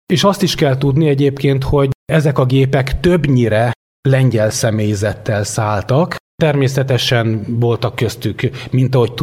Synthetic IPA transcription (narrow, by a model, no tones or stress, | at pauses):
eːʃɒst̪iʃkɛlt̪ud̪niɛɟeːpkeːnt̪ho̞ɟɛzɛkɒɡeːpɛkt̪øbɲiɾɛ | lɛɲɟɛlsɛmeːjizɛt̪ːɛlsaːlt̪ɒkt̪ɛrmeːsɛt̪ɛʃɛnvo̞lt̪ɒkːøst̪ykmint̪ɒɦo̞c̚t̪